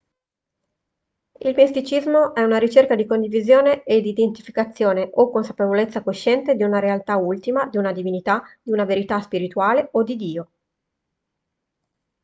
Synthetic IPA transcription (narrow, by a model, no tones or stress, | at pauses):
ilpest̪it͡ʃizmoʔɛunaɾit͡ʃerkad̪ikond̪ivizjoːneed̪id̪ent̪ifikat̪sːjoːneʔokːonsapevolet̪sːakoʃːɛnt̪ed̪iunaɾealt̪ault̪imad̪iunad̪ivinit̪ad̪̥iunaveɾit̪aspiɾit̪uaːleod̪id̪iːo